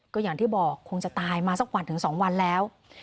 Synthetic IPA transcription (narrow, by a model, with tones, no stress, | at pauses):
kɔː˥˩jaː˨˩ŋt̪iː˥˩bɔː˨˩kʰːo˧ŋt͡ɕa˨˩t̪aː˧jmaː˧sa˦˥˩k̚wa˧nt̪ʰɯ˩˦ŋsɔː˩˦ŋwa˧nlɛː˦˥w